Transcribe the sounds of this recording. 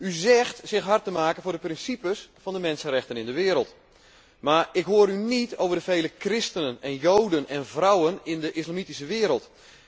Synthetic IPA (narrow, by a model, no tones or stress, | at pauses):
yzɛxtsɪxɦartəmaːkənvʊːrdəprɪnsipəsfɔndəmɛnsənɾɛxtənɪndəʋɪəɾəlˠt | maːrɪkɦoəɾynitowvərdəvejləkrɪstənənɛnjowdənɛnvrawənɪndəʔɪslamitisəʋɪːəɾəlˠt